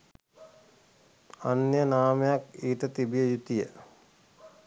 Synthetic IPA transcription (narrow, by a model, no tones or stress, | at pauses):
anjənaːmejakiːʈət̪ibijəjut̪ijə